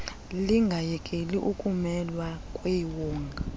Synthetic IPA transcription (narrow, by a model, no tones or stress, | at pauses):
liŋɡʱajɛkʼeliʔukʼumɛlwakʼweiwɔːŋɡʱa